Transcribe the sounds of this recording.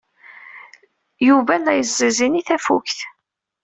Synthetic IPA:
juvænæjəzːəziniθæfukθ

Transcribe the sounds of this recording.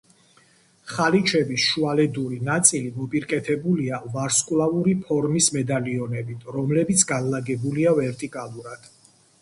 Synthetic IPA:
χalit͡ʃʰɛbisʃualɛd̪uɾinat̪sʼilimɔpʼiɾkʼɛt̪ʰɛbuliavaɾskʼulˠauɾipʰɔɾmismɛd̪aliɔnɛbit̪ʰɾɔmlɛbit̪sʰɡanlaɡɛbuliavɛɾt̪ʼikʼalˠuɾad̪̥

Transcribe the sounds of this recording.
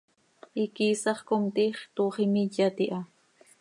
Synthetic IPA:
ikisɑχkomt̪iχt̪uːχimiʎat̪iʔa

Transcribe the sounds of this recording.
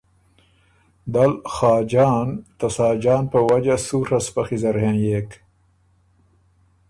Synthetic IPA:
d̪alxɑːd͡ʒɑːnt̪asɑːd͡ʒɑːnpəwad͡ʒasuɾaspaxizaɾhẽnjek

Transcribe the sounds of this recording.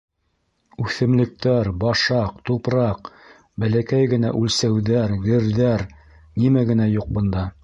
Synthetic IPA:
ʉθɘ̆mlɘ̆k̚t̪æɾbɑʃɑqt̪upɾɑq̚ | bælækæjɡɘ̆næʔʉlsæwðæɾɡɘ̆ɾðæɾ | nimæɡɘ̆næjuq̚bɤ̆nd̪ɑ

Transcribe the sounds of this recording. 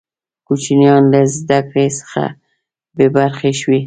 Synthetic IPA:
kut͡ʃinjɑnləzd̪akɽesə̥xa̰ | bebaɾxeʃwi

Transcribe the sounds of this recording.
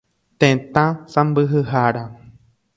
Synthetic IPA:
t̪ẽt̪ãsãmbɨɦɨɦaɾa

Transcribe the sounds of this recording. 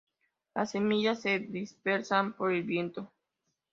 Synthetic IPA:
lase̞miʝasːe̞ðispe̞ɾsampo̞ɾelbje̞nt̪o̞

